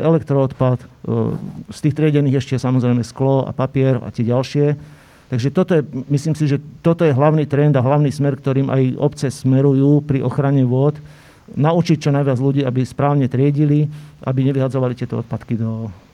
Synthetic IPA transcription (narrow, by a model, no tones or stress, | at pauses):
ʔɛlɛkt̪ɾɔːt̪pat̪ | st̪iːxt̪ɾɪɛɟɛniːɣɛʃcɛjɛsamɔzɾɛjmɛsklɔa̰papɪɛɾa̰t̪ɪɛɟalʃɪɛ | t̪aɡʒɛt̪ɔt̪ɔjɛmisliːmsiʒɛt̪ɔt̪ɔjɛɦlaʊniːt̪ɾɛnd̪aɦlaʊniːsmɛɾkt̪ɔɾiːmʔa̰jɔpt͡sɛsmɛɾujuːpɾiʔɔxɾaɲɛʋʊɔt̪ | naut͡ʃic̚t͡ʃɔnajʋɪad͡zluɟiːabispɾaːʊɲɛt̪ɾɪɛɟiliʔa̰biɲɛʋiɦad͡zɔʋalit̪ɪɛt̪ɔɔ̰t̪pat̪kid̪ɔ